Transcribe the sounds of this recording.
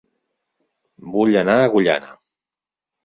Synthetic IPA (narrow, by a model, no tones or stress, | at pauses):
buʎənaəɣuʎa̰nə̰